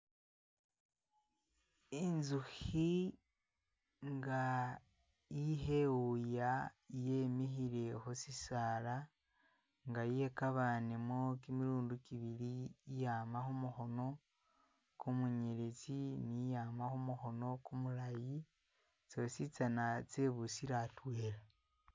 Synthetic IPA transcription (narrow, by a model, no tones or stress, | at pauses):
inzuxi | ŋɡa | iɦe̞wujajemiɦiɾe̞hosisaːɾa | ŋɡajekaβanemwokimiɾuːndukiβiɾiːjaːmaxumuxo̞no̞ | kumuɲeɾet͡sinijaːmaxumuxo̞no̞kumulaji | t͡sosit͡sanat͡se̞βusiɾatweːɾa